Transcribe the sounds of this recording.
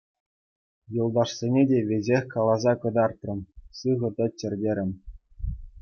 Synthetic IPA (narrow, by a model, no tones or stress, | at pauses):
jɤ̆lˠd̪ɑʂsʲenʲedʲeʋʲezʲexʲkɑlˠɑzɑkɤ̆d̪ɑrt̪rɤ̆mʲsɯʁɤ̆t̪ʲɘ̆t͡ɕːɘ̆rʲdʲeɾʲɘ̆mʲ